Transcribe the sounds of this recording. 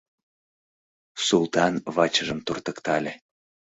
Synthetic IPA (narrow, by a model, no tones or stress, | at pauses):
sulˠt̪ɑnβɑt͡ɕəʒəmt̪urt̪ə̆kt̪ɑlʲĕ